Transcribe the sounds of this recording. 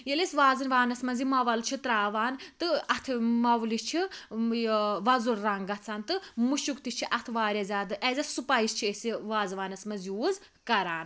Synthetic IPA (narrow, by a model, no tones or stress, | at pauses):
jelisʋaːzɨnʋaːnɐsmɐnzimɐʋɐlt͡ʃʰit̪ɾaːʋaːnt̪ɨɐt̪ʰmɐʋlit͡ʃʰi | ʋɐzulɾɐŋɡɐt͡sʰant̪ɨmuʃukt̪it͡ʃʰiʔɐt̪ʰʋaːɾʲɐzʲaːd̪ɨʔɛːzʲɐsupajist͡ʃʰiesiʋaːzʋaːnɐsmɐnzjuːz | kɐɾaːn